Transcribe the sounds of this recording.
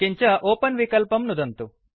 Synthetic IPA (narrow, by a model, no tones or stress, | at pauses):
iɲt͡ʃɐʔɔːpɐnʋikɐlpɐmnud̪ɐnt̪u